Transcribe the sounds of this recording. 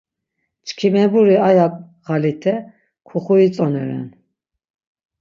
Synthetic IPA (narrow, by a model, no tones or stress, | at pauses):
t͡ʃkʰimɛbuɾiajakʼ | ɣalit̪ʰɛ | kʰuχuit͡sʼɔnɛɾɛ̰n